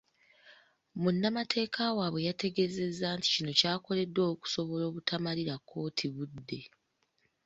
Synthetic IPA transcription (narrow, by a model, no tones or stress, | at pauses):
munːamatʰe̞ːkʰawaːβwe̞jate̞ɡe̞ze̞zːaːnti̥cino̞caːko̞le̞dːo̞ːku̥so̞βo̞lo̞ːβutʰamaliɾakʰːo̞ːtʰiβudːe̞